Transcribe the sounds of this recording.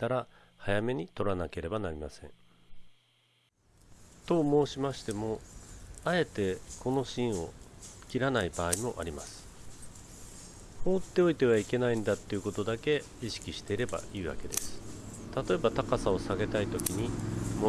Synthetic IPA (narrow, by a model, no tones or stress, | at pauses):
t̪aɾa | hajame̞ɲ̟it̪o̞ɾanake̞ɾe̞banaɾʲimasẽ̞̰ɴ̃ | t̪o̞mo̞ːɕimaɕi̥t̪e̞mo̞ | ae̞t̪e̞ko̞no̞ɕĩɰ̃o̞̰kʲiɾanaibaːimo̞ʔa̰ɾʲimasɨ̥ | ɸo̞ːt̪ːe̞o̞it̪e̞β̞aike̞naĩnd̪at̪ːe̞iɯ̟ko̞t̪o̞d̪ake̞ | iɕi̥kʲiɕi̥t̪e̞iɾe̞ba̰iːβ̞a̰ke̞d̪e̞sɨ̥t̪at̪o̞e̞bat̪akasao̞saɡe̞t̪ait̪o̞kʲiɲ̟imo